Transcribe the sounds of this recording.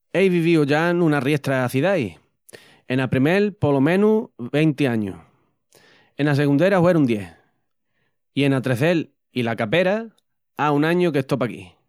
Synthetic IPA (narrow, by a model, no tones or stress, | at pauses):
ejβiβ̞iuʝanũnarje̞ht̪ɾaːθiðaj | enapɾime̞lpo̞lomẽ̞nuβe̞jnt̪eaɲṵ | enas̬e̞ɣund̪e̞ɾahwe̞ɾund̪je̞h | ie̞nat̪ɾe̞θe̞l | ilakape̞ɾa | aunãɲuke̞ht̪o̞pakḭ